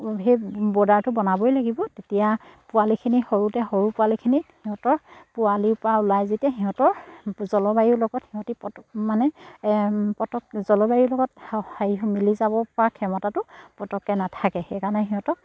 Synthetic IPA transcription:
ɦejbɔdaɹtʊbɔnabɔjlaɡibɔtetijapʊwalikʰinixoɹutɛxoɹupʊwalikʰinihiɦɔ̃tɔɹpʊwaliʊpɹaʊlajzitɛɦiɦɔ̃tɔɹzɔlɔbajiɹlɔɡɔthiɦɔ̃tipɔtmanɛ | pɔtɔkzɔlɔbajiɹlɔɡɔthaiɦmilizabɔpɔɹakʰɛmɔtatʊpɔtɔkːɛnatʰakɛxekanɛɦiɦɔ̃tɔk̚

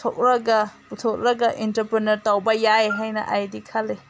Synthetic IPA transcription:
tʰok̚ɾɐɡaputʰɔk̚ɾɐɡaʔintɐɾpɾenɐɾtawbɐjaeɦajnɐ̰ʔajdikʰale

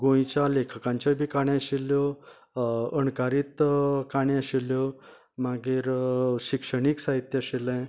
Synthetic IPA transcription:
ɡõjt͡ɕjalekʰəkãɲt͡ɕabʱiːkaɽjãaɕilːjɔ | ənkaɾiːt̪kaɳjaɕiljɔ | maɡiːɾɕikʂəɽiksaɦit̪jəɕilə̃

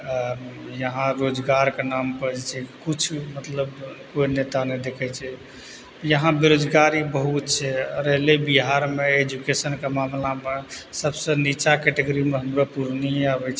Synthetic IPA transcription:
jəɦãɾod͡ʒɡaɾkenampəd͡ʒt͡ʃʰɛkut͡ʃʰmət̪ləbkoinet̪anɛd̪ekʰɛt͡ʃʰɛ | jəɦãbeɾod͡ʒɡaɾibəɦut̪̚t͡ʃʰɛɾəɦlebiɦaɾmeed͡ʒukesənkemamlamesəbsə̃nit͡ʃakɛʈeɡoɾimeɦəmɾapuɾniabɛt͡ʃʰɛ

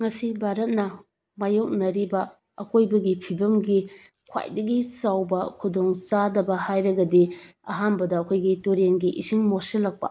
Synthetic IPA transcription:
ŋɐsibʱaɾɐt̚nɐ | majok̚nɐɾibɐ | ɐkojbɐɡipʰibɐmɡi | kʰwa̰jdɐɡit͡ʃawbɐkʰudoŋt͡ʃadɐbɐhajɾɐɡɐdiɐ̰ɦanbɐdɐːkʰojɡituɾenɡiʔisiŋmoselːɐk̚pɐ̰

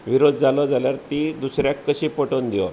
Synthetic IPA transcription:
ʋiɾod̪ʱd͡zalɔd͡zaljaɾt̪iːd̪usɾjakːəɕiːpoʈond̪ijɔ̰

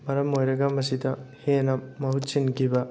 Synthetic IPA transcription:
mɐɾɐmojɾɐɡɐmɐsidɐhenɐmɐhut̚sinkʰibɐ

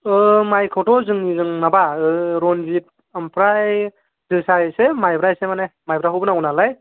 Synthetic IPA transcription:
ɯmajkʰɯwtɔzɯŋnizɯŋnabaɯɾɔnzit̚ | ampʰɾaj | dɯsajsemajbɾajsemanemajbɾaɦɯbɯnaɡunalaj

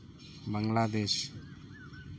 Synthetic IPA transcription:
bəŋlad̪eʃ

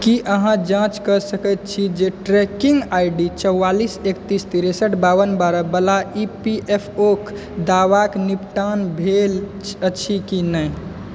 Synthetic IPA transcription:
kiʔəɦãd͡ʒãt͡ʃkəsəkət̪̚t͡ʃʰid͡ʒeʈɾekiŋɡajɖit͡ʃəwːalisekt̪ist̪iɾɛsəʈʰbaʋənbaɾəbəlaipiʔepʰok | d̪aʋaknipʈanbʱel | ət͡ʃʰikinəj

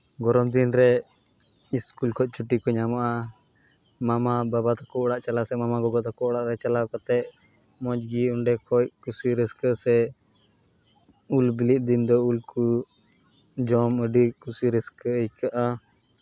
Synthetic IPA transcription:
ɡɔɾɔmd̪inɾɛ | iskulkʰɔc̚ˀt͡ʃʰuʈikɔɲamaʔa | mamababat̪akɔɔɽaʔt͡ʃalasɛmamaɡɔɡɔt̪akɔɔɽaʔɾɛt͡ʃalawkat̪ɛʔ | mɔd͡ʒɡiuɳɖɛkʰɔc̚kusiɾɛskəʔsɛ | ulbiliʔ̪̚ˀd̪ind̪ɔulku | d͡ʒɔməɖikusiɾɛskəəjkaʔa

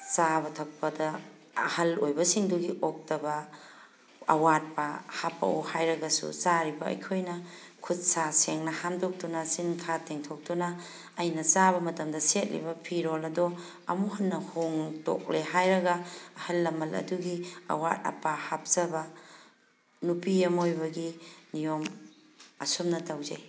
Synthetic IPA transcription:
t͡ʃabɐtʰɐk̚pɐdɐ | ɐ̰hɐlojbɐsiŋduɡiok̚tɐbɐ | ɐ̰wat̚pɐhapɐ̰uhajɾɐɡɐsṵsaɾibɐɐ̰jkʰojnɐ | kʰut̚saseŋnɐhamdok̚tunɐsinkʰateŋtʰok̚tunɐː | jnɐzaβɐmɐtɐmdɐset̚lḭbɐpʰiɾolɐdɔ | ɐ̰muhɐnːɐhoŋto̰k̚leɦajɾɐɡɐːhɐlːɐmɐlɐ̰duɡiɐ̰wat̚ɐ̰pahap̚zɐbɐ | nupiɐmojbɐɡinijom | ɐsomnɐtɐwzɐ̰j

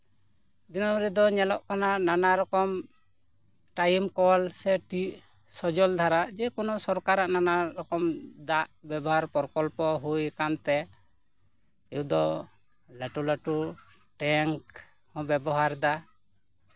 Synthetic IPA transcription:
d̪inɔɾid̪ɔɲɛlɔʔkanananaɾɔkɔm | ʈajmkɔlsɛʈiʔ | sɔd͡ʒɔld̪ʱaɾaʔd͡ʒɛkɔnɔsɔɾkaɾaʔnanaɾɔkɔmd̪aʔbjɛbɔɦaɾpɔɾkɔlpɔɦujkant̪ɛ | ɛd̪ɔ | laʈuləʈu | ʈɛŋk | hɔ̃bɛbɔɦaɾd̪a

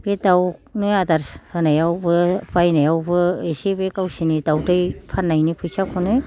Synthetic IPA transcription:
b̥etawnɯjadaɾshɯnajawbɯpajnajawbɯesibekawsinidawtɯjpʰanːajnipʰɯjsʰakʰɔnɯ

